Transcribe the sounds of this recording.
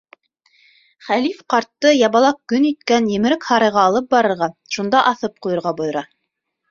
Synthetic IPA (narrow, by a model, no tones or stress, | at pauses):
χælifqɑɾt̪ːɤjɑβɑlˠɑq̚kɵnit̪kænjɘ̆mɘ̆ɾɘkhɑɾɤ̆jʁɑːlˠɤp̚bɑɾɤ̆ɾʁɑʃund̪ɑʔɑθɤp̚qujɤ̆ɾʁɑbŏjɤ̆ɾɑ